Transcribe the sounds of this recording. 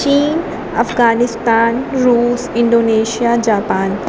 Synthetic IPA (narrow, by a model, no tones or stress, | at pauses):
t͡ʃiːn | ɐ̰fɡaːnɪst̪aːnɾuːsɪ̃ɳɖoːneːʃijad͡ʑaːpaːn